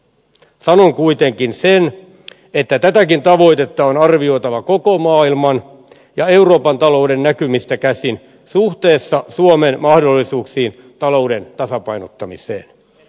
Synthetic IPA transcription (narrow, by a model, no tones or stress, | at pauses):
sɑno̞ŋkuit̪e̞ŋkinsen | et̪ːæt̪æt̪ækint̪ɑʋo̞it̪e̞t̪ːɑonɑrʋio̞it̪ɑʋɑko̞ko̞mɑːilmɑn | jɑeuro̞ːpɑnt̪ɑlo̞udenːækymist̪ækæsin | suht̪e̞ːsːɑsuomenmɑhdo̞lːisuːksiːn | t̪ɑlo̞wde̞nt̪ɑsɑpɑinot̪ːɑmisḛːn